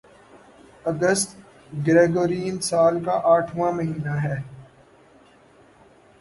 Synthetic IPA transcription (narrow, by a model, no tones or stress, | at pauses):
ɐɡəst̪ | ɡɾeːɡoːɾiːnsaːlkaʔaːʈʰʋãmɐɦiːnaɦɛː